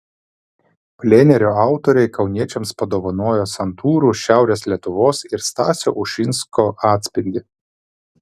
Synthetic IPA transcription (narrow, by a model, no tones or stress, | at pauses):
pʲlʲeːnʲɛɾʲoɑˑʊt̪ɔɾʲɛɪkɐʊnʲiɛt͡ʃʲɛmspɐd̪oːʋɐnoːjosɐnt̪ʰuːɾuːʃʲæˑʊɾʲeːslʲiɛt̪ʊʋoːsɪɾst̪ɑːsʲo̰ːʔʊʃʲɪnskoːʔɑːt̪ʲsʲpʲɪlʲd̪ʲɪ